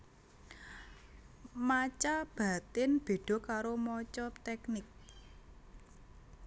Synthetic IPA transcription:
mat͡ʃab̥a̤t̪ɪnb̥e̤ɖ̥ɔ̤kaɾomɔt͡ʃɔt̪ɛknɪk̚

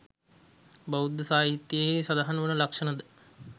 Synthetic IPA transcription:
bɐud̪əsaːɦit̪jesɐd̪aɦanəʋənəlakʂənəd̪ə

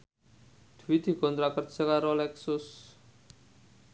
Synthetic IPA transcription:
d̪̥uwid̪̥i̤kɔnt̪ɾakərsəkaɾɔlɛksʊs

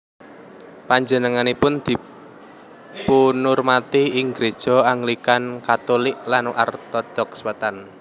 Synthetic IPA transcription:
paɲd͡ʒənəŋanipʊnd̪̥i̤ | punʊrmat̪iːŋɡɾed̥ʒ̥ɔ̤aŋlikankat̪olɪʔlanʔart̪ɔd̥ɔkswət̪an

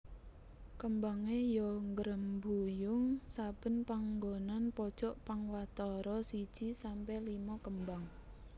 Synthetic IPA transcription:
kəmbaŋejɔŋɡəɾəmbujʊŋsab̥ə̤npaŋɡonanpɔd̥ʒ̥ɔʔpaŋwat̪ɔɾɔsid̥ʒ̥isampɛlimɔkəmbaŋ

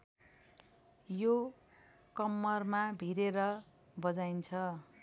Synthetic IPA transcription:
jo | kʌmːʌrmabʱiɾeɾʌ | bʌd͡zajnt͡sʰʌ

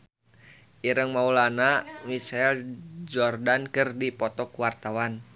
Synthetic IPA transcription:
ʔiɾəŋmaulanamit͡ʃaɛld͡ʒɔrdankɨrdipɔt̪ɔkuwart̪awan

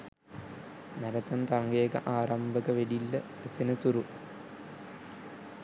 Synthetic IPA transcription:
nɐɾɐt̪ːɐnt̪ɐŋɡeːkɐ̰ʔaːɾɐmbʱɐɣɐʋeɽilːɐ | ɐt͡ɕːɐnɐt̪uɾu

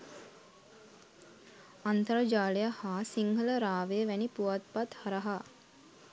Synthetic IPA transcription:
ant̪əɾəd͡ʒaːlejahaːsiŋɦələɾaːʋeəʋænipuʋat̪̚pat̪haɾaɦa

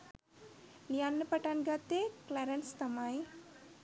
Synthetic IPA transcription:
lijanːəpɐʈanɡat̪ːeklaɾɐnst̪ɐmaj

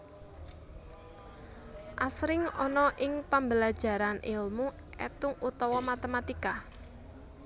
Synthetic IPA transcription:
ʔasɾɪŋɔnɔʔɪŋpambəlḁʒ̥a̤ɾanʔɪlmu | ɛt̪ʊŋut̪ɔwɔmat̪əmat̪ika

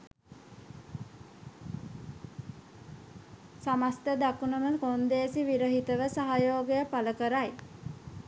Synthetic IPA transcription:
samast̪əd̪akunəməkond̪eːsiʋiɾəɦit̪əʋəsaɦajoːɡejəpaləkəɾaj

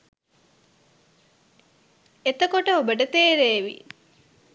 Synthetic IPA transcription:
et̪əkoʈəobəʈət̪eːɾeːʋḭ

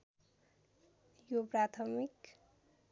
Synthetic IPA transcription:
joprat̪ʰʌmik

